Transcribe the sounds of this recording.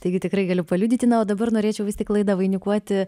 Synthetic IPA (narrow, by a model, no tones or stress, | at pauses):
t̪ɐɪɡʲɪt̪ʲɪkɾɐɪɡɐlʲʊpɐlʲuːdʲiːt̪ʲɪnɐoːd̪ɐbɐrnoːɾʲeːt͡ʃʲɛʊʋʲɪstʲɪklˠɐɪd̪ɐʋɐɪnʲɪkuɔt̪ʲɪ